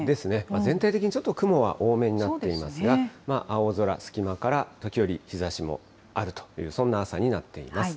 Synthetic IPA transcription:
d̪e̞sɨne̞mazẽ̞nt̪ait̪ekʲiɲ̟it͡ɕo̞t̪ːo̞kɯ̟mo̞βa̰ʔo̞ːme̞ːɲ̟inat̪ːe̞imasɨɡamaʔao̞zo̞ɾa̰sɨ̥kʲimakaɾat̪o̞kʲijo̞ɾʲiçizaɕimo̞̰ | aɾɯ̟t̪o̥jɯ̟̰ːsõ̞nːaːsaɲ̟inat̪ːe̞ḭmasɨ̥

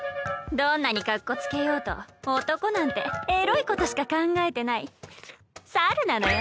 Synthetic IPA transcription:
d̪õ̞nːaɲ̟ikakːo̞t͡sɨ̥ke̞jo̞ːt̪o̞̰ot̪o̞ko̞nãnt̪e̞eɾo̞iko̞t̪o̞ɕi̥kakãŋɡae̞t̪e̞nai | saɾɯ̟nanojo

